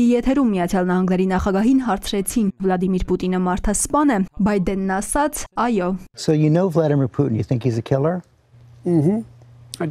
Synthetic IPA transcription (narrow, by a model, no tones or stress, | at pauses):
jɛt̪ʰɛɾumːijɑt͡sʰjɑlnɑɦɑŋɡnɛɾinɑχɑɡɑɦinɦɑɾt͡sʰɾɛt͡sʰinvlɑd̪imiɾput̪inəmɑɾt̪ʰɑspɑnɛbɑjd̪ɛnːɑsɑt͡sʰɑjɔsoʊjɨnoʊvlæɾɨmiɹpʰuʔn̩jɨθɪ̃ŋkhizɨkʰɪlˠə˞ | mm̩